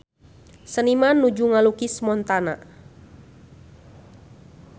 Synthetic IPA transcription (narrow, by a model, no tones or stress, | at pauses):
sənimanːud͡ʒuŋalukɪsmɔnt̪ana